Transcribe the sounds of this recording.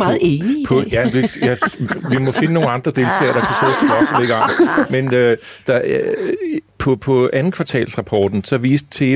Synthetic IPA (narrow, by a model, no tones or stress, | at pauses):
ɑːð̩ˠenipʰɒ̽jæʋijæʋimɒ̽fe̝nəno̝ːn̩nd̥ʁɐd̥e̝lt͡sʰɛ̰ːɐd̥ɑ̈kʰæsɔ̰ːsɒ̽sleɡɑ̈menød̥ɑ̈ | pʰɒ̽pʰɒ̽ænn̩kʰʋɑ̈t͡sʰɛ̰ːlsʁɑ̈pʰɒ̰ːd̥n̩sɒ̽ʋḭːsd̥̚t͡sʰe̝